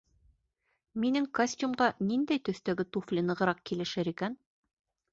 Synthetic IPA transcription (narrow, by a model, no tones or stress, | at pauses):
minɘŋkosʲt̪ʲumɢɑnind̪æjt̪ɵ̆θt̪æɡɘt̪uflʲɘnɤ̆ʁɤ̆ɾɑq̚kilɘ̆ʃɘɾikæn